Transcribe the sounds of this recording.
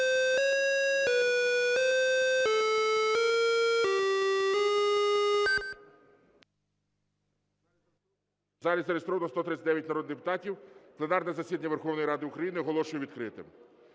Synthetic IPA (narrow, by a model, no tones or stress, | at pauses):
zɑlʲizɐɾest̪ɾɔʋɐnɔst̪ɔt̪ɾɪt͡sʲsʲɐtd̪ɛʋjɐtʲnɐɾɔd̪ɪd̪epʊt̪ɑtʲiwplˠenɑrnɛzɐsʲid̪ɐnʲɐʋe̞rxɔwnɔjiɾɑd̪ɪʊkɾɐjinɪɦɔlˠɔʃʊjɛʋʲid̪̚kɾɪt̪ɪ̰m